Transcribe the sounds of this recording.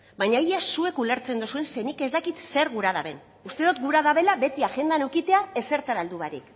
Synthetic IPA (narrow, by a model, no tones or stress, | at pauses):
baɲaijasue̞kule̞ɾt͡se̞nd̪usue̞nsenike̞zd̪akit̪se̞ɾɣuɾað̞aβe̞̰n | ust̪e̞ðut̪ɡuɾaðaβe̞laβe̞t̪iaʝe̞nd̪anukit̪e̞ae̞se̞ɾt̪aɾald̪uβaɾḭk